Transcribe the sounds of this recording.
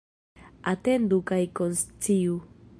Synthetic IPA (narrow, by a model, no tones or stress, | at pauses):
at̪end̪ukajkonst͡siu